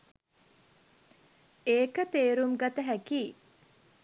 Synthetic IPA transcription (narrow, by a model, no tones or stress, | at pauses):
eːkət̪eːɾumɡat̪əɦækiː